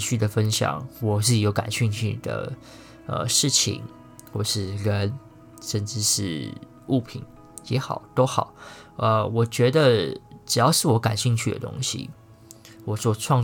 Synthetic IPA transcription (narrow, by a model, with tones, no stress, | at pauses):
ɕy˥˩d̪ə˩fə˥nɕjɑ̰˨˩˦ŋwɔ˨˩ʂɻ̩˥˩i˨˩jo˧˥ʊka̰˨˩nɕy˥˧ŋt͡ɕʰy̰˥˩d̪ə̰˩ | ə̰˧ʂɻ̩˥˩t͡ɕʰḭ˨˩˦ŋ | xwɔ˥˩ʂɻ̩˥˩ɻə˧˦n | ʂə˥nʈ͡ʂɻ̩˥ʂɻ̩˥˧˩ | u˥˩pʰḭ˨˩˦n | jɛ˧˥xɑ˨˩˦ʊt̪o˥ʊxɑ˨˩˦ʊʔə˧wɔ˨˩t͡ɕɥɛ˧˥d̪ə˧ʈ͡ʂɻ̩˨˩jɑ˥˧ʊʂɻ̩˥˩wɔ˧˥ka˨˩nɕi˥˧nt͡ɕʰy˥˩d̪ə̰˩t̪ʊ̰˥ŋɕḭ˨˩ | wɔ˨˩t͡swɔ˥˧ʈ͡ʂʰwɑ˥˧ŋ